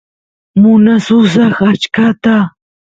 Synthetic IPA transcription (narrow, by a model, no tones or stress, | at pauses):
mʊnasʊs̬ɑχat͡ʃkat̪a